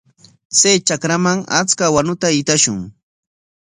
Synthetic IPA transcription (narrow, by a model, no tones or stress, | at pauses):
t͡sajt͡ʃakɾamaŋa̰t͡skawanʊt̪aɪt̪aʃʊŋ